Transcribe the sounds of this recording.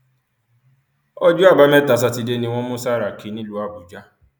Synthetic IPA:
ɔ˦d͡ʒu˦a˦˨ba˧˦mɛ˦˨ta˨˦s̬a˧ti˧de˦nĩ˧w̃ɔ̃˦mũ˦sa˦˨ɾa˨ki˨˦nĩ˦lu˦a˦˨bu˨d͡ʒa˦

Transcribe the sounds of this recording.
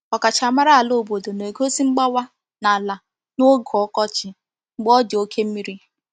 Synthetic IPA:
ɔ˨ka˨t͡ʃa˨ma˦ɾa˦a˨lo˦o˨bo˨do˨ne˨ko˦si˦ŋ͡m̩˦ɡ͡ba˦wa˦ | na˨la˨ | no˦ɡɔ˦kɔ˦t͡ʃɪ˨ | ŋ͡m̩˨ɡ͡bɔ˦dɪ˨o˦kʰe˦m̩˦mi˦ɾi˦

